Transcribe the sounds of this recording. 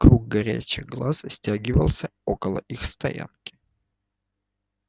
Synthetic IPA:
kɾuɡ̚ɡɐɾʲæ̰t͡ɕɪɣɡlˠassʲtʲaɡʲɪvəlˠsʲəokəlˠə̰ʔixst̪ɐ̰ja̰nkʲɪ̥

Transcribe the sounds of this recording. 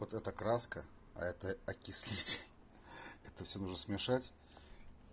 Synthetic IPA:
ot̪ɛt̪əkɾaskə | ɐ̰ɛt̪əɐkʲɪsʲlʲitʲ | ɛt̪əfsʲonuʐnəsmʲɪʂatʲ

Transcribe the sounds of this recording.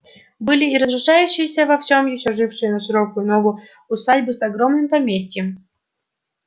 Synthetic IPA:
bɨlʲiiɾəzɾɪʂajʉɕːɪjəsʲəvɐfsʲomjɪɕoʐɨfʂɨjənɐʂɨɾokʊjʊnovu | usadʲbɨsɐɡɾomnɨmpɐmʲesʲtʲjɪm

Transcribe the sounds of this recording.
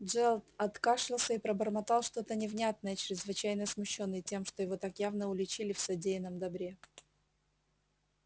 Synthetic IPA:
ʐɛlˠt̪ɐt̪kaʂɨlˠsʲəipɾəbərmɐt̪ɑlˠʂt̪ot̪ənʲɪvnʲat̪̚nəjət͡ɕɾʲɪzvɨt͡ɕæjnəsmʊɕːo̞nːɨjtʲe̞mʂt̪ojɪvo̞t̪akjavnəʊlʲɪt͡ɕilʲɪfsɐdʲejɪnəmd̪ɐbɾʲe̞

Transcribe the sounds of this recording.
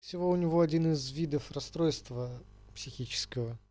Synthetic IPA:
fsʲɪvoʊnʲɪvoad͡zʲinɨzvʲid̪əfrast̪ɾojst̪və | psʲɪxʲit͡ɕɪ̥skəvə

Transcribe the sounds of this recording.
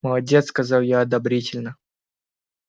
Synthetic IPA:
məlˠɐdʲet̪skɐzɑlˠjaɐd̪ɐbɾʲitʲɪlʲnə

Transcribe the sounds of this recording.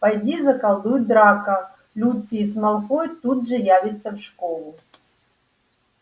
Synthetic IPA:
pɐjdʲizɐkɐlˠd̪ujd̪ɾakɐ | lʲut̪sʲiismɐlˠxojt̪ud̪ʐɨjavʲɪt̪sɐfʂkolˠʊ

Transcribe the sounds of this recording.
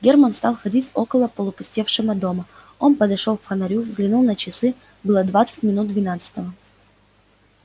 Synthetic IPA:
ɡʲɛrmənst̪ɑlˠxɐdʲitʲokəlˠəpəlˠʊpʊsʲtʲefʂɨməd̪o̞mə | o̞npəd̪ɐʂo̞lˠkfənɐɾʲuvzɡlʲɪnulˠnət͡ɕɪsɨ | bɨlˠəd̪vat̪sɨ̥tʲmʲɪnut̪̚d̪vʲɪnat̪sɨ̥t̪əvə

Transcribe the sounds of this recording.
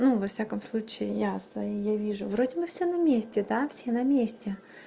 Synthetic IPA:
nuvɐfsʲakəmslˠut͡ɕɪɪjasvɐijavʲiʐʊvɾodʲɪbɨfsʲonɐmʲesʲtʲɪd̪afsʲenɐmʲesʲtʲɪ

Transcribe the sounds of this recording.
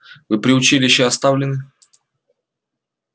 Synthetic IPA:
vɨpɾʲɪʊt͡ɕilʲɪɕːɪɐst̪avlʲɪnɨ

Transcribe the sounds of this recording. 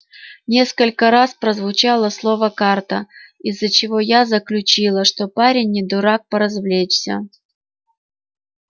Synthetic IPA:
nʲe̞skəlʲkəɾaspɾəzvʊt͡ɕalˠəslˠo̞vəkart̪əizːət͡ɕɪvo̞jazəklʲʉt͡ɕilˠəʂt̪opaɾʲɪnʲːɪd̪ʊɾak̚pəɾɐzvlʲet͡ɕsʲə̰

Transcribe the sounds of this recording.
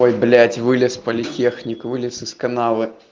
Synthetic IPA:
ɔjblʲætʲvɨlʲɪspɐlʲɪtʲexnʲikvɨlʲɪsɨskɐnalˠɨ

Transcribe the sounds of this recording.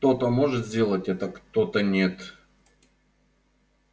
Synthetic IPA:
t̪o̞t̪əmoʐɨt̪zʲdʲe̞lˠətʲɛt̪əkt̪ot̪ənʲe̞t̪

